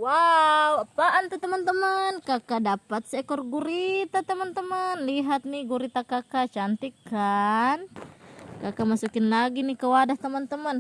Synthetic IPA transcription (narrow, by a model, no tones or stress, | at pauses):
waupaʔant̪ut̪əmənt̪əmənkakadapat̪̚sɛkɔrɡuɾit̪at̪əmənt̪əmənliɦat̪̚niɡuɾit̪akakat͡ʃant̪ikan | kakamasukɪnlaɡinikəwadaht̪əmənt̪əmən